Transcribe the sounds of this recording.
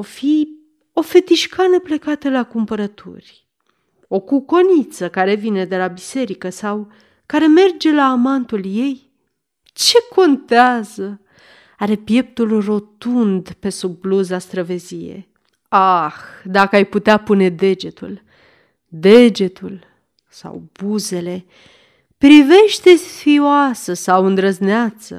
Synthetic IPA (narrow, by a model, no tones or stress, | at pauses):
ofi | o̞fe̞t̪iʃkanəple̞kat̪əlakumpəɾət̪ʰṵrʲ | o̞kuko̞nit̪səkaɾe̞vine̞d̪e̞labise̞ɾikəsaw | kaɾe̞me̞rd͡ʒe̞laːmant̪ulje̞j | t͡ʃe̞ko̞nt̪eazə | aɾe̞pje̞p̚t̪ulro̞t̪und̪pe̞subluzast̪ɾəve̞zijḛ | axd̪akəajput̪eapune̞d̪e̞d͡ʒe̞t̪ṵl | d̪e̞d͡ʒe̞t̪ul | sa̰wb̥uze̞le̞ | pɾive̞ʃt̪e̞sfioasəsawɨnd̪ɾəzneat̪sə̰